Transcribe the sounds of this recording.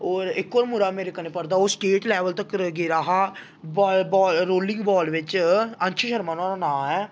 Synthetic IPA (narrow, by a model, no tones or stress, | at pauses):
ɔːɾɪkːoːɾmʊɾaːmeːɾekəneːpəɾd̪aːoːsʈeːʈlɛːʋəlt̪əkɾɡeɾaːɦaː | bbɔːɾoːlɪ̃ŋɡbɔːlʋɪt͡ʃənt͡ʃʰəʃəɾmaːnaːɾaːnãːmɛː